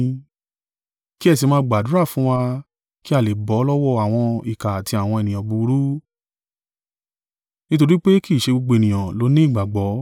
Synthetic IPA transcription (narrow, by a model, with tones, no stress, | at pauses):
ki˦ɛ˦˨s̬i˧mãː˧˦ɡ͡ba˨du˨˦ɾa˦˨fũ˦wa˧ | ki˦a˦˨le˨bɔ˨˦lɔ˦wɔ˦a˨w̃ɔ̃˧i˨ka˨ti˧a˨w̃ɔ̃˧ɛ˨nĩ˨ã˨bu˨˧˦ɾu˦ | nĩ˦to˧ɾi˦k͡pe˦ki˦˨ʃe˧ɡ͡bo˧ɡ͡bo˧˨nĩ˨ã˨lo˨˦nĩ˦i˦˨ɡ͡ba˨ɡ͡bɔ˨˦